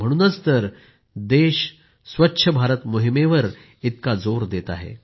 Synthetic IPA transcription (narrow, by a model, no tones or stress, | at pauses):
m̤əɽ̃uːnət͡st̪əɾ | d̪eɕ | sʋətːɕʰəbʱaɾət̪moɦimeʋəɾ | it̪kad͡zoɾd̪et̪a̰ɦḛ